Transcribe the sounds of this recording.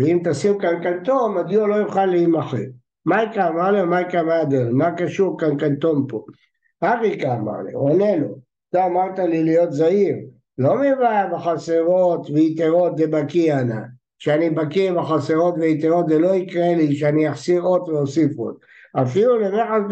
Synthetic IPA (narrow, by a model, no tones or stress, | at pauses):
veimt̪asimkankant̪omad̪jolojuχalːiimaχḛ | majkaːmaʁliomajkamaad̪imakaʃuʁkankant̪ompo | aʁikaːma̰ʁlḭonelo̰ | taːmaʁt̪alilijot̪zaiʁ | lomivabaχaseʁot̪veit̪eʁot̪zebakiana̰ | ʃeanibakiʁbaχaseʁo̞t̪veit̪eʁot̪zeloikʁeliʃeaniaχsiʁot̪veosifo̰t̪̚ | afilulemeħa